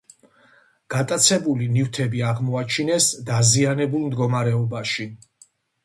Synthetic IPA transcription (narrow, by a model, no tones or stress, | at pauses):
ɡ̥at̪ʼat̪sʰɛbulinift̪ʰɛbiaʁmɔat͡ʃʰinɛsd̪azianɛbulˠmd̪ɡɔmaɾɛɔbaʃi